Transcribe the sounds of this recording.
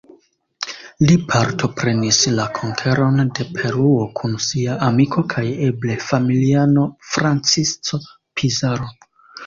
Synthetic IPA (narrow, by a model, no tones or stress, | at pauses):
lipʰaɾtʰo̞pɾe̞nislakʰo̞ŋkʰe̞ɾo̞nde̞pʰe̞ɾuo̞kʰunsiaʔːmikʰo̞kʰaje̞ble̞familiano̞fɾant͡sist͡so̞ | pʰizaɾo